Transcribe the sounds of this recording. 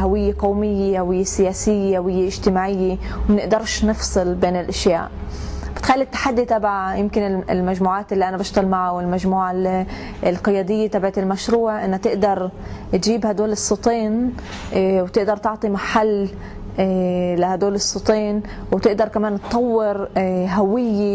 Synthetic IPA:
hawɪjːeqowmɪjːehawɪjːesɪjaːsɪjːehawɪjːeʔɪʒt̪ɪmaːʕɪjːe | wmnɪʔd̪ɑɾˤʃnɨfsˤɨlbeːnɪlʔaʃja̰ːʔ | b̥ɪt̪xalːit̪ːḁħad̪ːit̪abʕajɪmkɪnɪlmaʒmuːʕaːt̪ʔɪlːiʔanabaʃt̪ˤɑlmaʕawɪlmaʒmuːʕal | ɪlqɨjaːd̪ɪjːet̪abʕat̪ɪlmaʃɾuːʕʔɪnːhat̪ɪʔd̪ɑɾˤt̪ʒiːbhad̪oːlɨsˤːɑt̪ˤiːn | wt̪ɪʔd̪ɑɾˤt̪ɑʕt̪ˤimaħalː | lahad̪oːlɨsˤːɨt̪ˤiːn | wt̪ɪʔd̪ɑɾˤkamaːnt̪t̪ˤːɑwːɪɾɦawɪjːe

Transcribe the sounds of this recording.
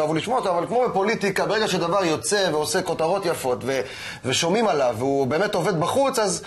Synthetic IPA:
avuliʃmoot̪oavalkmo̞bepo̞lit̪ikabe̞ʁeɡaʃed̪avaʁjo̞t͡se̞veose̞ko̞t̪aʁo̞t̪jafo̞t̪ve̞ | veʃo̞mimalavːeube̞ːmet̪o̞ved̪baχut͡saz

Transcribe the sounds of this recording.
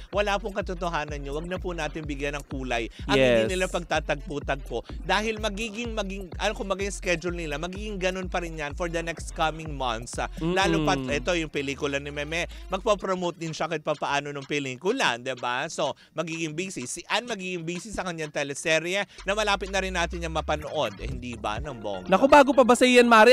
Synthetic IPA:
wɐlaːpʊŋkɐt̪ot̪oɦaːnɐnɲowɐɡ̚nɐpʊnaːt̪ɪnbɪɡjanɐŋkuːlɐjʔɐɪd̪inɪlapɐɡ̚t̪aːt̪ɐɡ̚puːt̪ɐɡ̚kod̪aːhɪlmɐɡiːɡɪŋmɐɡɪŋʔɐnokʊmbɐɡajskɛd͡ʒʊlnɪlamɐɡiːɡɪŋɡɐno̞npɐɾɪnjanfɔɹd̪ɐnɛkst̪kɐmɪŋmɐnt̪slaːlʊpɐt̪ʔɛt̪o̞jʊŋpɛliːkʊlɐnɪmɛmɛmɐɡ̚pɐpɾomowt̪̚d̪ɪnʃɐkɐj̚pɐpɐʔaːno̞nʊŋpɛliːkʊla̰nd̪ɛbaso̞ | mɐɡiːɡɪŋbiːsɪsʔɐnmɐɡiːɡɪŋbiːsɪsːɐkɐɲːaŋt̪ɛlɛsɛɾjɛnɐmɐlaːpɪt̪̚nɐɾɪnːaːt̪ɪnɐŋmɐpɐnoʔo̞d̪hɪnd̪iːbɐ̰nɐŋbo̰ŋnɐkobaːɡopɐbɐsɐijɐnmaːɾɛ

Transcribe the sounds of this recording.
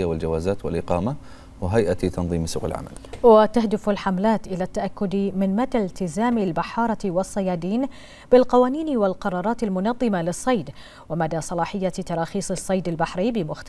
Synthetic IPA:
awɪld͡ʒawaːzaːt̪wɪ̰lʔɪqɑːma | wɦajʔat̪t̪ɑnðˤiːmsuːqɪ̰lʕa̰ma̰lwat̪ahd̪ɪfalħamlaːt̪ʔɪlat̪ːaʔakːʊd̪mɪnmad̪alt̪ɪzaːmɪlbaħɑːɾˤɑwɑsˤːɑjɑːd̪iːn | b̥ɪlqɑwaːniːnwɪlqɑɾˤɑːɾˤɑːt̪almʊnɑðˤːɨmalɪsˤːɑjd̪ | wɪmad̪aːsˤɑlɑːħɪjːat̪ɑɾˤɑːxiːsˤɨsˤːɑjd̪albaħɾibɪmʊxt̪

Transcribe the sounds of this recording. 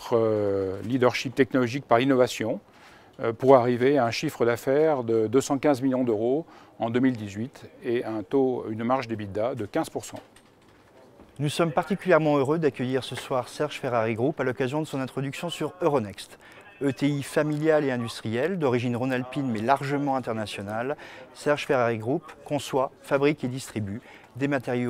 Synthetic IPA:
t̪χəlid̪œʁʃip̚t̪ɛk̚nɔlɔʒik̚paʁinɔvasjɔ̃ | puʁaʁiveaɛ̃ʃifχəd̪afɛʁd̪əd̪øsɑ̃kʲɛ̃zmiljɔ̃d̪øʁo | ɑ̃d̪ømild̪izɥit̪eɛ̃t̪oynmaʁʒd̪ebid̪ad̪əkʲɛ̃z̥puʁsɑ̰̃ | nusɔmpaʁt̪ikʲyljɛʁmɑ̃øʁød̪akʲœjiʁsəswaʁsɛʁʒ̥fɛʁaʁiɡʁupalɔkazjɔ̃d̪əsɔ̃nɛ̃t̪χɔd̪yksjɔ̃syʁøʁɔnɛkst̪ | øt̪eifamiljaleɛ̃d̪yst̪χijɛld̪ɔʁiʒinʁɔnalpinmɛlaʁʒəmɑ̃ɛ̃t̪ɛʁnasjɔnalsɛʁʒ̥fɛʁaʁiɡʁupkɔ̃swafabʁiked̪ist̪χiby | d̪emat̪ɛʁjo

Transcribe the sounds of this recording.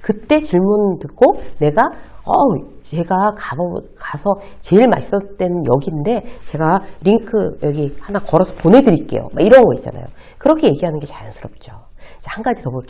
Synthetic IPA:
kɯt͈e̞t͡ɕiɭmuntɯk͈one̞ɡaʌ | t͡ɕe̞ɡakakasʰʌt͡ɕe̞iɭma̰ɕi̥s͈ʌt͈we̞nnjʌ̰ɡinde̞t͡ɕe̞ɡaɾiŋkʰɯjʌɡihanakʌɾʌsʰʌponɦe̞dɯɾik͈e̞̰jo̰maiɾʌnɡʌit͡ɕ͈a̰na̰jo̰ | kɯɾʌkʰe̞je̞ɡiɦanɯnɡe̞t͡ɕaansʰɯɾʌp̚t͡ɕ͈o | t͡ɕhaŋɡad͡ʑitʌboɭk͈

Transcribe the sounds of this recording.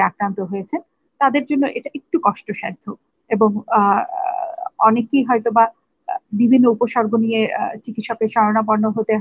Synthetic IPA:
akɾant̪oɦojet͡ɕʰen | t̪ad̪eɾd͡ʑonːoʔeʈaek̚ʈukɔʃʈoʃɛɾd̪ʱːo | eboŋ | ɔnekiɦɔet̪oba | bibʱinːoupoʃɔɾɡʱonijet͡ɕikit̪ʃɔkeɾʃɔɾonabɔɾnːoɦot̪eɦ

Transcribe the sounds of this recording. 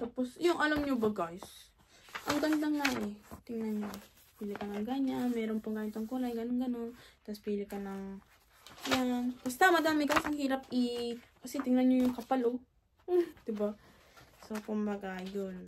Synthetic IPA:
t̪aːposjʊŋʔɐlamɲobɐɡajs | ʔɐŋɡɐnd̪aŋːaʔɛt̪ɪŋnanɲo | piːlɪkɐnɐŋɡaɲanmɛːɾoŋpɐŋɡajʊnt̪ɐŋkulajnɡɐnonɡɐno̞nt̪ɐspiːlɪkɐnɐŋ | jʊŋkɐst̪amɐd̪aːmɪɡajsɐŋhiːɾɐpɪkɐsɛt̪ɪŋnɐnɲojʊŋkɐpɐlo | d̪̥ɪba | sokʊmbɐɡajon

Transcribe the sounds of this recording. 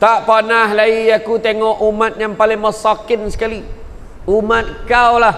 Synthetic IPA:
t̪aʔpanaɦlaijakut̪eŋɔʔumat̪̚jaŋpalɪŋməsakɪnsə̥kali | umat̪̚kawlah

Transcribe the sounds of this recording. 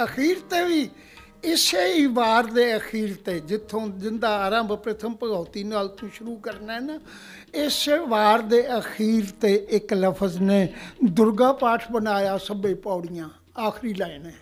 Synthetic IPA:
əxiːɾt̪eːʋiː | ɪseːiːʋaːɾd̪eːəxʰiːɾt̪eːd͡ʒɪt̪ʰːõːzɪnd̪aːɾãːmbpɾət̪ʰəmpəɡaːt̪iːnaːlt̪õːʃʊɾuːkəɾneːn | ɪseʋaːɾd̪eːəxʰiːɾt̪eːʔɪkləpʰəzneːd̪ʊɾɡãːpaːʈʰbənaːjaːsəbeːpaːɽijãː | aːxʰɾiːlaːineː

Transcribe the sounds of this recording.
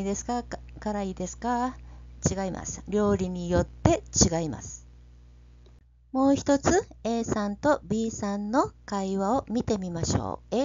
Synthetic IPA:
id̪e̞sɨ̥kakaɾaiːd̪e̞sɨ̥kat͡ɕiɡaimʔa̰sɨ̥ɾʲo̞ːɾʲiɲ̟ijo̞t̪ːe̞t͡ɕiɡaima̰sɨ̥ | mo̞ːçi̥t̪o̞t͡sɨe̞ːsãnt̪o̞bʲiːsãnːo̞kaiβaomʲit̪e̞mʲimaɕo̰ː

